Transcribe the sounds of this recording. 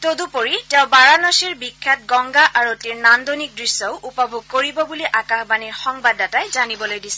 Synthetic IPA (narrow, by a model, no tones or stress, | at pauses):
todupoɹitɛʊ̃baɹanɔsiɹbikʰːat̚ɡɔŋɡaʔaɹotiɹnandonik̚dɹisːɔʊʔupabʱuɡ̚koɹibɔbuliʔakaxbaniɹxɔŋbadatajzanibɔlojdisɛ